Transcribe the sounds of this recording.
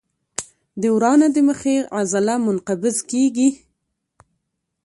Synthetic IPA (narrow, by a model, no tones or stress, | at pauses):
d̪əwɾɑnad̪əməxeʔazalamʊnqabɪzkeɡi